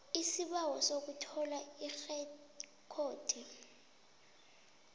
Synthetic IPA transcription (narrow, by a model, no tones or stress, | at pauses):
isiɓawɔsok̬utʰɔlaix | kʰoːtʰi